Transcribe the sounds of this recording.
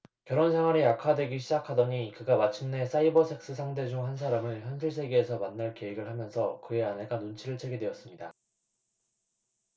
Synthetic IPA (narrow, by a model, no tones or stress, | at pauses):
kjʌɾonsʰeŋɦwaɾejakʰadwe̞ɡiɕ̬ʰid͡ʑakʰadʌɲikɯɡamat͡ɕʰɯmne̞s͈aibʌsʰe̞k̚s͈ɯsʰaŋde̞d͡ʑoŋɦansʰaɾamɯɭçjʌnsʰɯɭs̬͈ʰe̞ɡe̞ːsʰʌmanːaɭke̞iɡɯɭhamjʌnsʰʌkɯe̞ane̞ɡanont͡ɕʰiɾɯɭt͡ɕʰe̞ɡe̞dwe̞ʌs͈ɯmɲida